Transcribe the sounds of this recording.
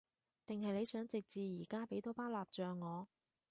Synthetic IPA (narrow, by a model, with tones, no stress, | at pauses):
t̪ɪ˨ŋɦɐ˨jle˨˧jsœː˨˥ŋt͡sɪ˨k̚t͡siː˨jiː˨˩kaː˥pe˨˥jt̪ɔː˥paː˥laː˨p̚t͡ʃœː˨ŋːɔː˨˧